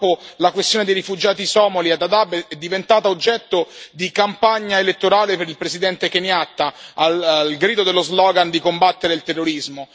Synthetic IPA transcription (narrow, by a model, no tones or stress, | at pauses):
polakwest̪joːned̪ejɾifud͡ʒaːt̪isɔːmoliad̪ad̪abeɛd̪ːivent̪aːt̪aod͡ʒːɛt̪ːod̪ikampaɲːaelet̪ːoɾaːlepeɾilpɾesid̪ɛnt̪ekenjat̪ːaːllɡɾiːd̪od̪elːozlɔːɡand̪ikombat̪ːeɾeilt̪erːoɾizmo